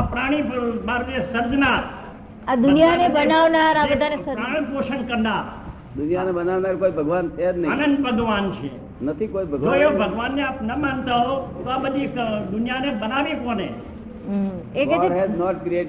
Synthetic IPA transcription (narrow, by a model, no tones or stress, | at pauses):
apɾaɽ̃ibaɾʋiesəɾd͡ʒnaɾ | ad̪ʊnijanebənaʋnaɾaəd̪ʱaneɾaɽ̃poʃənkəɾnaɾ | d̪ʊnjanebənaʋnaɾkoibʱəɡʋanted̪nəanə̃nd̪ʋəɡ̪ʋant͡ʃʰḛ | nət̪ʰikoibʱəɡd͡ʒoebʱəɡʋanːeaːpnəmãnt̪aɦot̪oabəd̪ʱikd̪ʊnjanebənaʋikonẽ | eɾɦenɔʈ̚kɾieʈ